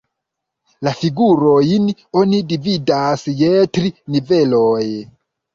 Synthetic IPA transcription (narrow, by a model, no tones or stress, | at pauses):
lafiɡuɾojinonidividasjetɾiniveloj